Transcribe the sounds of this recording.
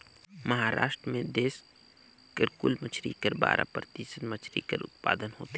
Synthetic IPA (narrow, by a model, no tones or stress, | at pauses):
mɐɦaːɾa̰ːʃʈɾəmẽd̪eːs | kəɾkuːlmət͡ʃʰɾḭkəɾba̰ːɾʔa̰pɾət̪iːsənmət͡ʃʰɾḭkə̰ɾʊ̰t̪̚pa̰ːd̪ənɦo̰ːt̪e